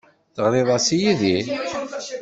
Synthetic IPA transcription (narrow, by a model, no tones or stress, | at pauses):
θəʁlɪðˤasijiði